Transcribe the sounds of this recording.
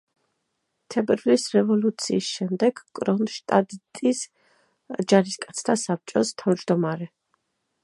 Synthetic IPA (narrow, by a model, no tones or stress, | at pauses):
t̪ʰɛbɛɾvlisɾɛvɔlut̪sʰiːsʃɛmd̪ɛɡkʼɾɔnʃt̪ʼad̪it̪ʼis | d͡ʒaɾiskʼat̪sʰt̪ʰasap̚t͡ʃʼɔst̪ʰavd͡ʒd̪ɔmaɾɛ